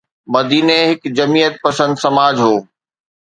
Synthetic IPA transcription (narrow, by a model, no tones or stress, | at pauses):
mɐd̪iːneɦɪkd͡ʑɐmijət̪̚pɐsə̃nd̪sɐmaːd͡ʑɦoː